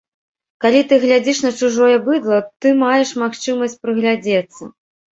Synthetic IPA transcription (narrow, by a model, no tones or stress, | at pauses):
kalʲit̪ɨɣlʲad͡zʲiʂnɐt͡ʂuʐɔjɛbɨd̪lˠɐt̪ɨmajɛʂmaxt͡ʂɨmɐsʲt͡sʲpɾɨɣlʲad͡zʲɛt̪sːɐ̰